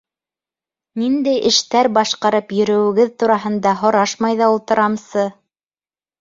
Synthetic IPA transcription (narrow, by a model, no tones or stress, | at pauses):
nind̪æjʔɘ̆ʃt̪æɾbɑʃqɑɾɤpjɵ̆ɾɵ̆wɘ̆ɡɘðt̪uɾɑɦɤ̆nd̪ɑɦŏɾɑʃmɑjðɑulˠt̪ɤ̆ɾɑmsɤ